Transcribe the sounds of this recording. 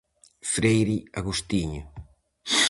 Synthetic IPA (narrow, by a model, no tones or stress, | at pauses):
fɾejɾiaɣust̪iɲo